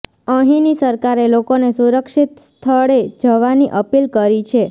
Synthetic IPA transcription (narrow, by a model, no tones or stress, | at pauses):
əɦĩnisəɾkaɾelokonesuɾəkʃit̪st̪ʰəɭed͡ʒəʋaniʔəpilkəɾit͡ʃʰe